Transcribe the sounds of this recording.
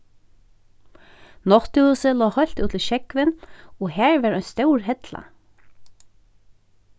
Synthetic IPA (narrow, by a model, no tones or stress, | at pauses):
nɔht̪ɪusɪlɔːhɔɥl̥t̪uːt̪ʰɪʃɛkvɪnɔɦæːɹvɛɾɔjnst̪œwɹɦɛt̪la̰